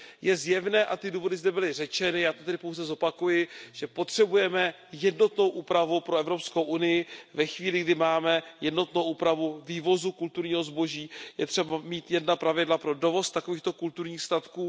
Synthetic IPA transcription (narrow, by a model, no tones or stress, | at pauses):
jɛzjɛvnɛːʔat̪ɪduːvo̞dɪzdɛbɪlɪrɛt͡ʃɛnɪjaːt̪ot̪ɛdɪpo̞wzɛzo̞pakujɪʒ̥ɛpo̞t̪r̝̥ɛbujɛmɛ | jɛdno̞t̪no̞wʔuːpɾavupɾoɛvɾo̞pskowʔunɪjɪvɛxviːlɪɡdɪmaːmɛjɛdno̞t̪nowʔuːpɾavuviːvo̞zukult̪uɾɲiːɦo̞zbo̞ʒiːjɛt̪r̥ɛbamiːt̪jɛdnapɾavɪdlapɾo̞do̞vo̞st̪ako̞viːxt̪o̞kult̪uɾɲiːxst̪at̪kuː